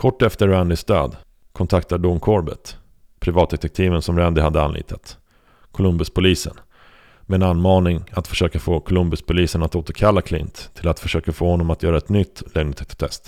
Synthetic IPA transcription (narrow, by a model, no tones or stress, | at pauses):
kʰɔʈːɛft̪əɾɛnd̪ɪst̪ø̰ːd̪ | kʰɔnt̪ʰakt̪aɖuŋkʰɔɾbə̰t̪ | pʰɾɪvɑːt̪̚d̪ɛt̪ɛk̚t̪ʰiːvənsɔmɾɛnd̪ɪhad̪ːəa̰nlʔḭːt̪ʰat̪ | kʰʊlɵmbɪspʰʊliːsə̰n | mɛɛnanːmɑːnɪŋat̪fœ̥ʂøːkafoːkʰʊlɵmbɪspʰʊliːsənat̪oːt̪əɾkʰalːakʰlɪ̰nt̪ʰːɪlat̪fœʂøːkafoːhɔnːɔmat̪jœːɾaɛt̪nʏt̪ːlɛɡnɪt̪ʰɛk̚t̪t̪ʰɛ̰st̪